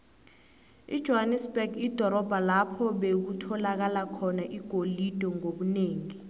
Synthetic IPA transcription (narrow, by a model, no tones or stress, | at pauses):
ḭd̥ʒ̥ʱɔɦanɛsbɛɡid̥ʱɔɾɔb̥ʱalapʰɔɓek̬utʰɔlak̬alakʰɔnaʔiɡ̥ʱolid̥ʱɔŋoɓuneːŋi